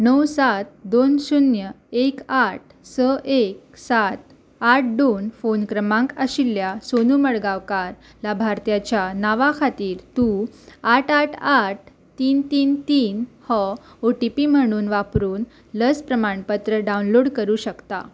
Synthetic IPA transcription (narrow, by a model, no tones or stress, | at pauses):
nəwsat̪̚d̪onsunjə | ekaʈ̚ʰ | səʔeksat̪̚ | aʈ̚ʰd̪onfonkɾəmãŋkəɕilːjasonuməɽɡaʋkaɾ | labʱaɾt̪jat͡ɕjanaʋakʰat̪iːɾt̪uaʈaʈʰaʈ̚ʰ | t̪iːnt̪iːnt̪iːnhɔ | oʈipim̤əɽ̃uːnʋapɾuːn | ləspɾəmaɳpət̪ɾəɖaunloɽkəɾuːɕəkt̪a